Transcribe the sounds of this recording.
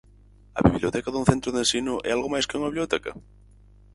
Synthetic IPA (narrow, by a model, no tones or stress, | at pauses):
ɐ̰βiβljot̪ɛkaðũθẽnt̪ɾʊðẽnsinʊʔɛ̰alɣomajskɪuŋɐβiβljot̪ɛkɐ